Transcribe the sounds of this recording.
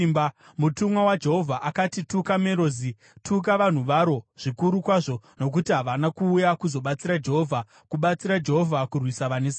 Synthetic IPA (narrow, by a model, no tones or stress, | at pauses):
mba | mutumwawad͡ʒe̞ɦo̞vʱaʔakatitukame̞ɾo̞ːzi | tʰuk̬aʋan̤uʋaɾo̞ʐ̥ikuɾukwaʐo̞no̞k̬utiɦaʋanakuːjakuzo̞ɓat͡siɾad͡ʒe̞ɦovʱa | kuɓat͡siɾad͡ʒe̞ɦovʱakurwisaʋanes